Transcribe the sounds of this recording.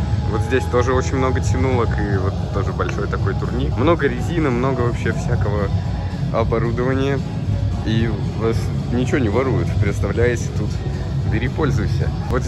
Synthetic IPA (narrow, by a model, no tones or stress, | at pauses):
vo̞t̪zʲdʲesʲt̪o̞ʐɨo̞t͡ɕɪnʲmno̞ɡətʲɪnulˠəkivo̞t̪ːo̞ʐɨbɐlʲʂo̞jt̪ɐko̞jt̪ʊrnʲimno̞ɡəɾʲɪzʲinəmno̞ɡəvɐpɕːefsʲækəvə | ɐbɐɾud̪əvənʲɪjə | i | vɐs | nʲɪt͡ɕɪvonʲɪvɐɾujʊt̪pɾʲɪt̪st̪ɐvlʲæjɪsʲt̪ut̪ | bʲɪɾʲipo̞lʲzʊjsʲə̰ | vo̞t̪z